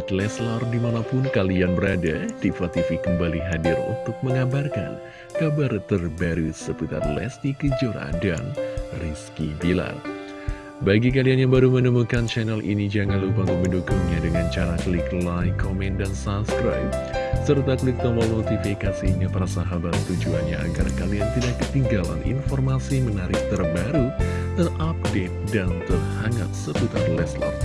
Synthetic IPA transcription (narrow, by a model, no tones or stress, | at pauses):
at̪lɛslardimanapʊnkalianbəɾadadiflat̪ifikəmbaliɦadɪrṵnt̪ʊk̚məŋabarka̰n | kabart̪ərbaɾusəput̪a̰t̪̚lɛ̰st̪ikəd͡ʒoɾa̰danriskibila̰r | baɡik̬alianjaŋbaɾumənəmukant͡ʃɛnɛlʔḭnid͡ʒaŋanlupaŋɡuŋməndukuŋɲadəŋant͡ʃaɾakəliklajkʰːomɛndansapskɾa̰jp̚ | sərt̪aklɪk̚t̪əməlnot̪ifikasiɲapaɾasaɦabat̪t̪ud͡ʒuanɲa̰ːɡa̰rkaliant̪idaʔkːət̪iŋɡala̰nḭnfɔrmasimənaɾɪk̚t̪ərbaɾu | t̪ərʔap̚det̪̚dant̪ərhaŋa̰t̪̚sət̪ut̪arlɛsla̰